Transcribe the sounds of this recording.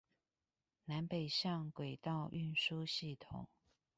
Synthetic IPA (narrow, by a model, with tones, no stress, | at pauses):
na˧˦npe˨˩ɪʂɑ˥˨ŋkwe˨˩ɪt̪ɑ˥˧ʊʔy˥˨nʂu˦ɕi˥˩t̪ʰʊ̰˨˩˦ŋ